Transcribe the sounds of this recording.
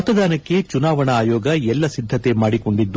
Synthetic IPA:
ɐt̪ːɐd̪aːnɐkːe̞t͡ʃunaːʋɐɳɐːjoːɡɐɛlːɐsid̪ʱːɐt̪e̞maːɽiko̞ɳɖid̪ːu

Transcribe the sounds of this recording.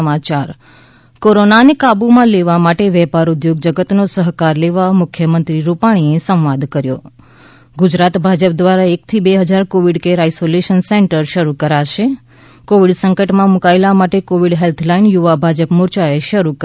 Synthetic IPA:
mat͡ʃaɾ | koɾonanekabumãleʋamaʈeʋɛpaɾʊd̪joɡ̚d͡ʒəɡət̪nosəɦkaɾleʋamʊkʰjəmənt̪ɾiɾupaɽ̃iesə̃ʋad̪kəɾjo | ɡʊd͡ʒɾat̪bʱad͡ʒəpd̪ʋaɾaek̚t̪ʰibeɦəd͡ʒaɾkoʋiɖkeɾaisoleʃənseɳʈəɾʃəɾukəɾaʃe | koʋiɖsəŋkəʈmãmukaelamaʈekoʋiɖɦelt̪ʰlainjuʋabʱad͡ʒəpmʊɾt͡ʃaeʃəɾuk

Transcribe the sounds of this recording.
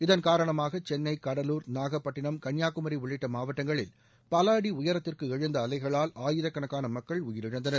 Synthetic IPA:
ɪðɐnkaːɾɐɳɐmaːɣɐt͡ʃɛnːɐɪkɐɽɐluːɾnaːɣɐpːɐʈːɪɳɐmkɐɳjaːkːɯmɐɾiʋɪɭɪʈːɐmaːʋɐʈːɐŋɡɐɭɪ̰l | palaːɽiʊjɐɾɐt̪ːɪrkɯɛɻɯnd̪ɐːlɐɪɣɐɭaːlaːjɪðɐkːɐɳɐkːaːnɐmɐkːɐɭʊjɪɾɪɻɯnd̪ɐnɐɾ

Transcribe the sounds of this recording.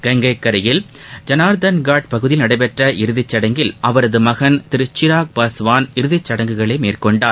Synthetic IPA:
ɡ̥ɐŋɡɐɪkːɐɾɐjɪl | d͡ʒɐnaːɾd̪ɐnɡaːʈ̚pɐɣɯðɪlnɐɽɐɪpɛʈrɐʔɪɾɯðɪt͡ʃːɐɽɐŋɡɪlʔɐʋɐɾɐðɯmɐɣɐnt̪ɪɾɯt͡ʃːɪɾaːk̚paːsʋaːnɪɾɯðɪt͡ʃːɐɽɐŋɡɯɣɐɭɐɪmeːrkɔɳɖaːɾ

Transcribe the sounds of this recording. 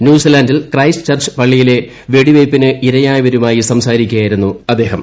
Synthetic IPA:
njuːsilɐːndilkrɐjst͡ɕɐrt͡ɕɨ̥pɐɭːijile̞ | ʋe̞ɽiʋejpːinɨʔiɾɐjaːjʋɐɾumaːjisɐmsaːɾikʲːujaːjiɾunːuɐd̪ːe̞ːɦɐm

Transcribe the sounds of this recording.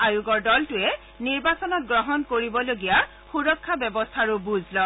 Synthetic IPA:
ajuɡɔɹdɔltʊɛ | niɹbasɔnɔt̚ɡɹɔɦɔnkoɹibɔloɡija | xuɹɔkʰːabɛbɔstʰaɹʊbuzʱlɔ

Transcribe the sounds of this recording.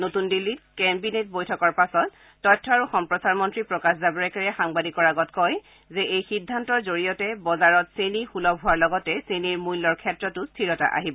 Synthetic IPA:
notundilːitkɛmbinet̚bojtʰɔkɔɹpasɔtː | ɔjtʰːɔaɹuxɔmpɹɔsaɹmɔntɹipɹɔkaszabɔɹɛkaɹɛxaŋbadikɔɹaɡɔtkɔj | zɛʔejxidʱːantɔɹzoɹijɔtɛbɔzaɹɔtsenixulɔbʱɦuaɹlɔɡɔtɛseniɹmulːɔɹkʰɛtɹɔtʊstʰiɹɔta̰ʔa̰ɦibɔ

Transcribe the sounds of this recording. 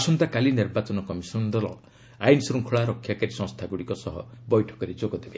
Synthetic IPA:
sɔnt̪akaliniɾbat͡ʃɔnɔkɔmisɔnd̪ɔlɔ̰ | ajnsɾuŋkʰuɭaɾɔkʰːjakaɾisɔ̃ŋst̪ʰaɡuɽikɔsɔɦɔ̰bɔjʈʰɔ̥kɔɾid͡ʒoɡɔd̪ebe

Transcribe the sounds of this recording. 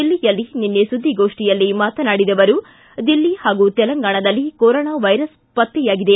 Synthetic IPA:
ilːijɐlːininːesud̪ʱːiɡoːʂʈijɐlːimaːt̪ɐnaːɽid̪ɐʋɐɾu | d̪ilːihaːɡut̪ɛlɐŋɡaːɳɐd̪ɐlːikoɾoːɳaːʋɐjɾɐs | pɐt̪ːɛjaːɡid̪e̞

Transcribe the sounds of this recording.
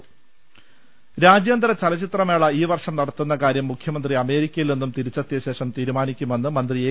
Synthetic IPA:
ɾaːd͡ʑjɐnd̪ɐɾɐt͡ɕɐlɐt͡ɕit̪rɐmeːɭɐiːʋɐrʂɐmnɐɽɐt̪ːunːɐkaːɾjɐmːukʰjɐmɐnd̪riɐme̞ːɾikʲːɐjilninːumt̪iɾit͡ɕːɐt̪ːjɐɕe̞ːʂɐmt̪iːɾumaːnikʲːume̞nːɨmɐnd̪rieː

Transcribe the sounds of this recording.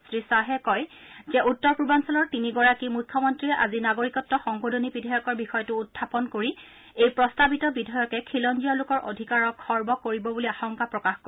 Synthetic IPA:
sɹisaɦɛkɔjzɛʔutːɔɹpubansɔlɔɹtiniɡɔɹakimukʰːɔmɔntɹiɛʔazinaɡoɹikɔtːɔxɔŋkodʱonibidʱɔjɔkɔɹbixɔjɔtʊːtʰːapɔnkoɹi | ejpɹɔstabitɔbidʱɔjɔkɛkʰilɔndijɔlʊkɔɹʔo̰dʱikaɹɔkʰːɔɹbɔkoɹibɔbuliaxɔŋkapɹɔkaxko

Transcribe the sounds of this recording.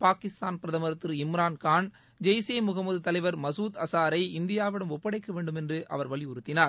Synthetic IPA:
paːkɪst̪aːnpɪɾɐðɐmɐɾɐt̪ːɯɾɪmɾaːnkaːn | d͡ʒɐjseːmʊɣɐmɐðɯt̪ɐlɐɪʋɐɾmɐsuːt̪ɐsaːɾɐɪɪnd̪ɪjaːʋɪɽɐmɔpːɐɽɐɪkːɐʋeːɳɖɯmɛndrɯʔɐ̰ʋɐɾʋɐɭiʊɾɯt̪ːɪnaːɾ

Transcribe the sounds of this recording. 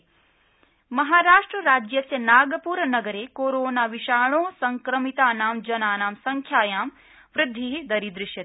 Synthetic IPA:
mɐɦaːɾaːʂʈɾɐɾaːd͡ʒjɐsjɐnaːɡɐpuːɾɐnɐɡɐɾeːkoːɾoːnaːʋiʃaːɭoːsɐŋkɾɐmit̪aːnaːmd͡ʒɐnaːnaːmsɐŋkʰjaːjaːm | ʋɾɪd̪ʱːiɦid̪ɐɾid̪ɾɪʃjɐt̪

